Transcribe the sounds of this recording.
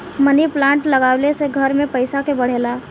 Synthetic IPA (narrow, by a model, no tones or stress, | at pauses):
məniplãːɳʈləɡaːwleseɡʱəɾmẽpəɪsakebəɽ̤eːlaː